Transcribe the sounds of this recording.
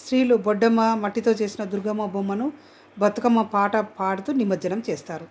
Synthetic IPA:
sɾiːlubɔɖːɐmːɐmɐʈːit̪o̞ːt͡ʃe̞ːsinɐd̪uɾɡɐmːɐbomːɐnu | bʱɐt̪ːɐkɐmːɐpaːʈɐpaːɽut̪unimɐd̪d͡ʒɐnɐmt͡ʃeːst̪aːɾu

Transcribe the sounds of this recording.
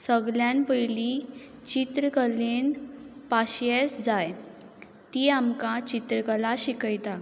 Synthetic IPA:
səɡljãnpəjli | t͡ɕit̪ɾəkəlenpaɕjesd͡zaj | t̪iamkat͡ɕit̪ɾəkəlaɕikəjt̪a

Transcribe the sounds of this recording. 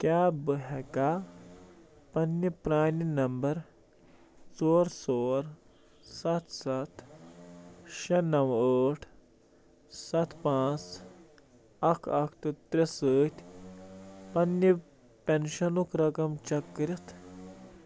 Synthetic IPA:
kʲjaːbɨɦɛkaː | pɐnːipɾaːninɐmbɐɾ | t͡soːɾsoːɾ | sɐt̪ʰsɐt̪ | ʃɐnɐwəːʈʰ | sɐt̪ʰpãːt͡s | ɐkʰɐkʰt̪ɨt̪ɾisəːt̪ʲʰ | pɐnːi | penʃɐnukɾɐkɐmt͡ʃɐkːɾit̪ʰ

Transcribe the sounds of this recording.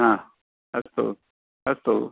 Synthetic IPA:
ɦã | əst̪o̰ | əst̪o

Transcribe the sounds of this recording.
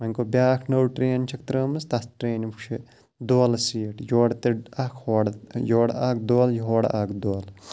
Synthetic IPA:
mɐŋʲkobʲaːkʰnɐwʈɾeːnt͡ʃʰɐk̚t̪ɾəːmɨst̪ɐsʈɾeːnpʰut͡ʃʰe | d̪oːlsiːʈjoːɽt̪eakʰhoːɽjoːɽaːkd̪oːljɦoːɽakd̪oːl

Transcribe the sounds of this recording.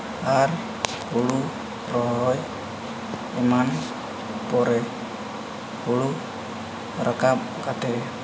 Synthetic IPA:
aɾ | pulu | ɾɔɦɦɔj | iman | pɔɾɛ | hulu | ɾakap̚ | kat̪ɛ

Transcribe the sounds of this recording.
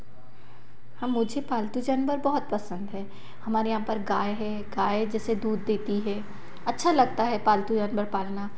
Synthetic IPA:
hɐmːʊd͡ʒʱepaːlt̪ud͡ʒanbəɾbɐɦɔt̪̚pɐsə̃nd̪ɦɛː | hɐmaːɾejɐɦãpɐɾɡaːeɦɛ | ɡaːed͡ʒɛːsed̪uːd̪ːeːt̪iɦɛː | ɐtːʃʰalɐɡ̚t̪aɦɛpaːlt̪ud͡ʒanbəɾpaːlnaː

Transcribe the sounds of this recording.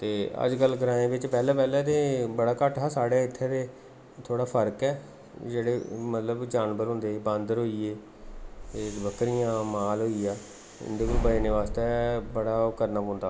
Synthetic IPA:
t̪eːə̰d͡ʒkəlːɡəɾãːẽːbɪt͡ʃpɛːlɛːpɛːlɛːt̪eːbəɽaːkəʈʰaːsaːɽaːɪt̪ʰːeːd̪eː | t̪ʰoːɽaːpʰəɾkɛː | d͡ʒeːɽeːmət̪ləbd͡ʒaːnbəɾɦʊ̃nd̪eːbə̃nd̪ɾɦoːiːeː | t̪eːbəkɾijãːmaːlɦoːiaː | ɪ̰nd̪eːkolbəeːneːʋaːst̪ebəɽaːkəɾnaːpɔ̃ːnd̪aː

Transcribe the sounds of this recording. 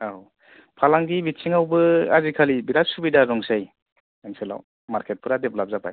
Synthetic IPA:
aw | pʰalaŋɡibitsʰiŋawbɯa̰zikʰalibiɾasubidaɾɔŋsaj | aŋsela̰w | maɾkʰet̚pʰɯɾadeplap̚zapa̰j

